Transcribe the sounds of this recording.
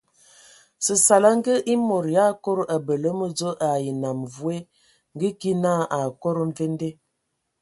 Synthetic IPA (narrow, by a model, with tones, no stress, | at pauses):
sə˨sa˨la˦ŋ˦ɡə˦ʔi˦mo˨ɾja˦ko˦ɾʔa˨bə˨lə˦mə˦d͡zo˦ʔa˨ji˨na˨mvu˦e˦ | ŋ˦ɡə˦ki˦na˦ʔa˨ko˦ɾo˦ɱ˦ve˦n˦de˦